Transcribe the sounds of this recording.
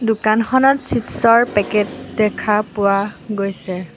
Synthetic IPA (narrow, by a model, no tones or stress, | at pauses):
dʊkanxʰɔnɔtsipsɔɹpɛkɛtdɛkʰapʊwaɡojsɛ